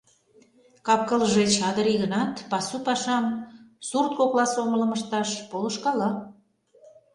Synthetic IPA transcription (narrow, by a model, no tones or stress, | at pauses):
kɑp̚kəlʒet͡ɕɑd̪əɾiɣənɑt̪pɑsupɑʃɑmsurt̪̚koklɑsomələ̆məʃt̪ɑʃpoləʃkɑlɑ